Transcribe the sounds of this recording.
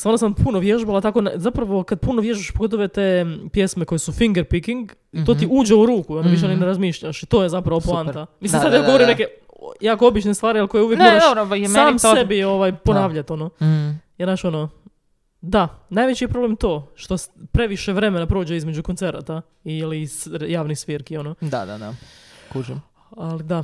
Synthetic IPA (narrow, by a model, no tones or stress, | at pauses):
sanosampʰunoʋjeʒbalˠat̪ako̞nzapɾaʋo̞kad̪̚punoʋje̞ʒbaʃpoɡo̞t̪̬oʋet̪e̞ːpje̞sme̞ko̞jesufiŋɡeɾpikiŋɡ | it̪o̞ːtt̪iuːd͡ʒeuɾuːkuionoʋiʃ̬eonineɾazmiːʃʎaʃit̪o̞ːjezapɾaʋoplˠanamislimsad̪aɡoɾimneke | jaːko̞obit͡ʃnest̪ʋaːɾialko̞jeuʋjekmoɾaʃoɾosaːmsebio̞ʋajpo̞naːʋʎat̪o̞nojenaʃo̞no | d̪anaːjʋet͡ɕijepɾo̞blemt̪o̞ːʃt̪ospɾe̞ʋiʃeʋɾe̞menapɾo̞ːd͡ʒeizme̞d͡ʒukont̪se̞ɾa̰t̪a | ilisɾjaːʋnixsʋiɾkio̞nod̪ad̪a̰d̪akuʒim | alid̪a